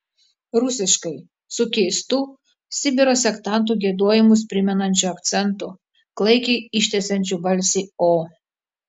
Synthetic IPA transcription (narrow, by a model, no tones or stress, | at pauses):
ɾʊsʲɪʃkɐɪ | sʊkʲɛɪst̪uː | sʲɪbʲɪɾoːsʲɛkt̪ɑˑnt̪̬uːˑɡʲiɛd̪uɔjɪmʊspʲɾʲɪmʲɛnɐnʲt͡ʃʲʊɐkt̪sʲɛnt̪u | klˠɐɪkʲɛɪɪʃʲt̪ʲɛsʲɛnʲt͡ʃʲubɐlʲsʲiːoː